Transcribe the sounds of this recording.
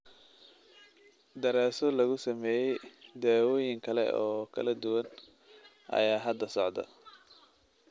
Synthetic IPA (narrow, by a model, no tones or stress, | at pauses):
d̪ɐɾaːsɔlɐɣʊsɐmɛːjɛjd̪aːwɔːjɪŋkʰɐlɛ̰ʔɔːkʰɐ̰lɐd̪ʊwɐn | ʔɐ̰jaːɦɐd̪ːɐsɔʕd̪ɐ̰